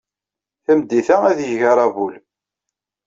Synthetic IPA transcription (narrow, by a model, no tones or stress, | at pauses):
θæmd̪ːiθææðjəʝəɾˤɑvul